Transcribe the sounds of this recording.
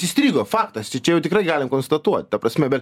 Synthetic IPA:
sisʲt̪ʲɾʲiːɡoːfɑːkt̪ɐst͡ʃʲɛt͡ʃʲɛjɛʊt̪ʲɪkɾɐɪɡɑːlʲɪmkoːnst̪ɐt̪uɔt̪ʲt̪ɐpɾɐsʲmʲɛbʲɛt̪

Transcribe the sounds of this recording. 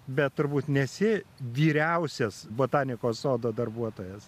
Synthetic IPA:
bʲɛt̪t̪ʊɾbuːt̪nʲɛsʲɪʋʲiːɾʲɛʊsʲɛsboːt̪ɑːnʲɪkoːsoːd̪oːd̪ɐrbuɔt̪oːjɛs

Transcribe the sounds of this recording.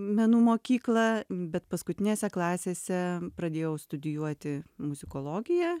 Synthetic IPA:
mʲɛnuːmoːkʲiːklˠɐbʲɛt̪pɐskʊt̪ʲɪnʲeːsʲɛklˠɑːsʲeːsʲɛpɾɐd̪ʲeːjɛʊst̪ʊd̪ʲɪjuɔt̪ʲɪmʊzʲɪkoːlˠoːɡʲɪjɛː

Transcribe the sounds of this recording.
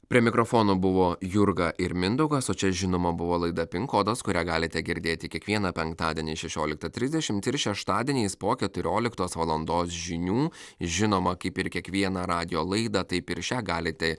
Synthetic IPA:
pʲɾʲiɛmʲɪkɾofoːnoːbʊʋoːjʊɾɡɐʔɪɾmʲɪnd̪ɐʊɡɐsoːt͡ʃʲɛʒʲɪnoːmɐbʊʋoːlˠɐɪd̪ɐpʲɪŋkoːd̪oskʊɾʲæɡɑːlʲɪt̪ʲɛɡʲɪɾʲd̪ʲeːt̪ʲɪkʲiɛkʋʲiɛnɐpʲɛŋkt̪ɑːd̪ʲiɛnʲɛʃʲɛʃʲoːlʲɪkt̪ɐt̪ʲɾʲɪzdʲɛʃʲɪmt̪ɪɾʃʲɛʃt̪ɑːd̪ʲɛːnʲeːspoːkʲɛt̪ʊɾʲoːlʲɪkt̪oːsʋɐlˠɐnd̪oːsʒʲɪnʲuːʒʲɪnoːmɐkɐɪpɪɾkʲiɛkʋʲiɛnɐɾɑːd̪ʲɪjoːlˠɐɪd̪ɐt̪ɐɪpɪɾt͡ʃʲæːɡɑːlʲɪt̪ʲɛ

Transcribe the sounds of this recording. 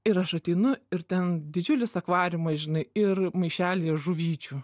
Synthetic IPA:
ɪɾɐʃɐt̪ʲɛɪnʊɪɾt̪ʲɛnd̪ʲɪd͡ʒʲʊlʲɪsɐkʋɑːɾʲɪmɐsʒʲɪnɐɪɪrmɐɪʃʲæːlʲiɛʒʊʋʲiːt͡ʃʲu

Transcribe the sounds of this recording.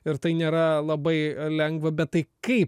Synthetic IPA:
ɪɾt̪ɐɪnʲeːɾɐlˠɐbɐɪlʲɛŋɡʋɐbʲɛt̪̚t̪ɐɪkɐɪp

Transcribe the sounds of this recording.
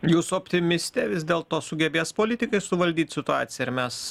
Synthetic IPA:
juːsʊɔpʲt̪ʲɪmʲɪsʲt̪ʲɛʋʲɪzʲd̪ʲeːlˠt̪oːsʊɡʲɛbʲeːspoːlʲɪt̪ʲɪkɐɪsʊʋɐlʲd̪ʲiːt̪ʲsʲɪt̪ʊɑːt̪sʲɪjɛɪɾmʲɛs

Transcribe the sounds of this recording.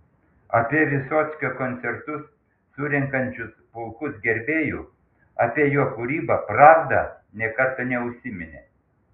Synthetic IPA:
ɐpʲiɛʋʲɪsoːt̪sʲkʲokoːnʲt̪ʲɛɾt̪ʊsː | ʊɾʲɛŋkɐnʲt͡ʃʲʊspʊlˠkʊsɡʲɛɾʲbʲeːjʊː | ɐpʲiɛjoɔkʊɾʲiːbɐpɾɑːʋd̪ɐnʲɛkɐɾt̪ɐnʲɛʊʃʲsʲɪmʲɪnʲḛː

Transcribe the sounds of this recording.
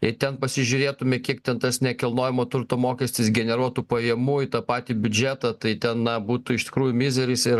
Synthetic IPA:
ɪt̪ʲɛnpɐsʲɪʒʲʊɾʲeːt̪ʊmʲɪkʲiɛk̚t̪ʲɛnt̪ɐsnʲɛkʲɪlˠnoːjɪmoːt̪ʊɾt̪oːmoːkʲɛsʲt̪ʲɪsɡʲɛnʲɛɾuɔt̪uːpɐjɛmuːɪt̪ɑpɑːt̪ʲiːbʲʊd͡ʒʲæːt̪ɐt̪ɐɪt̪ʲɛnnɐbuːt̪ʊɪʃt̪ʲɪ̥kɾuːjʊmʲɪzʲɛɾʲɪsɪ

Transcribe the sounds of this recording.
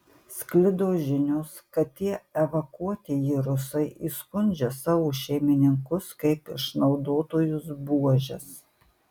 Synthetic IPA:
sʲklʲɪd̪oːʒʲɪnʲʊskɐt̪ʲːiɛɛʋɐkuɔt̪ʲɪjiɾʊsɐɪʔiːskʊnʲd͡ʒʲɛsɑːʋuːʃʲɛɪmʲɪnʲɪŋkʊskɐɪpɪ̰ʃnɒʊd̪oːt̪oːjʊsbuɔʒʲɛs

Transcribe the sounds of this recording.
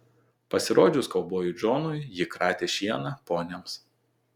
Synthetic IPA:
pɐsʲɪɾoːd͡ʒʲʊskɐlˠboːjʊd͡ʒoːnʊjjɪkɾɑːt̪ʲeːʃʲiɛnɐpoːnʲɛms

